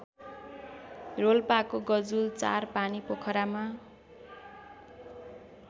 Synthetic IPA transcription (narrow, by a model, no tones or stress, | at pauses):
rolpakoɡʌd͡zult͡sa̰rpanipokʰʌɾama